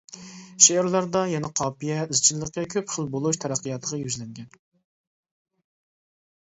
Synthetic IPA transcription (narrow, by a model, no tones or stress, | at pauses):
ʃeɾlˠæɾd̪ɑjɛnɛqʰɑːpijɛizt͡ʃʰilːəqːʲɛkʲʰøpχəlˠbolˠuʃt̪ʰæɾæqːɨjɑt̪ʰəʁɑjyzlɛŋɡʲɛn